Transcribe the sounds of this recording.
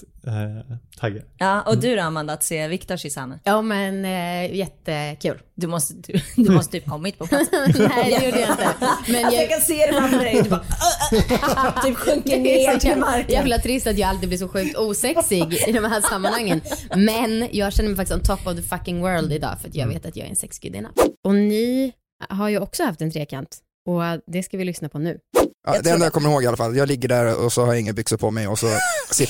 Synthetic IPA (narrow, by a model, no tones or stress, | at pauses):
t̪ʰaɡjɑːɔd̪ʉæɾamvɛnd̪əat̪seːvɪkt̪ɔʂɪsa̰ːnəjuːmɛnjɛt̪ːəkʰʉ̟ːld̪ɵmɔst̪əd̪d̪ɵmɔst̪ət̪ʰyːp̚kʰɔmːɪt̪̚pʰɔɛæd̪ɛjuːɖəjaɪnt̪əmɛnjɑɛkaseːɾɛamːd̪ɛd̪bɑ | t̪ʰyːpɧɵŋkəɪmaɾjaːɡfɪlat̪ʰːɾɪst̪at̪jɑːɡalt̪ɾɪɡblɪʂɔɧʉ̟ːk̚t̪uːsɛksɪɡɪd̪ɔmhæːʂamːanhaŋːənmɛnjɑːɡɕɛnːəmɛjfakt̪ɪsɔmt̪ʰɔpːavðəfakːɪŋwɜːɾld̪ɪd̪ɑ̰ːfœɾat̪jɑ̰ːɡvḛːt̪at̪jɑ̰ːɡ̰ɛ̰ɾɛ̰nsɛksɡ̥ʏ̰d̪ɪ̰na̰d̪ɔnɪ | ɦaɾjɵɔksɔhaft̪ɛnt̪ʰɾeːkʰant̪ | ɔd̪ɛskavɪlʏsnapʰɔnʉ̟̰ːʔɑ̰d̪ɛɛnajɑːkʰɔmːəɾɪhoːɡɪalafalat̪jɑːɡlɪɡːəɖæɾɔ̰sɔhaɾjɪŋːənbʏksəpʰɔmɛjɔsɔsɪ